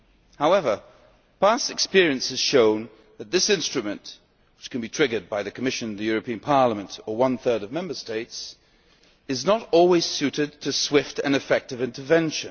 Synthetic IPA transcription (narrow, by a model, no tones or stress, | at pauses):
haʊɛvə˞ | pʰæstɨkspɪɹiɨ̃nsɨz̥ʃõʊ̃n | ðɨt̪̚ðɪsɪ̃nstɹ̥ɨmɨ̃nʔ | wɨt͡ʃkʰɨ̃n̩bitʰɹ̥ɪɡə˞d̚baɪðɨkʰəmɪʃɨ̃nnðɨjʊɹɨpʰĩɨ̃npʰɑɹləmɨ̃ntə˞wʌ̃nθɜ˞ɾʌvmɛ̃mbə˞steɪts | ɨznəɾɔlˠwiz̥sʉɾɨd̚tʰɨswɪftɨ̰̃nɨfɛk̚tɨvɪ̃ntʰə˞vɛ̃nʃɨ̃n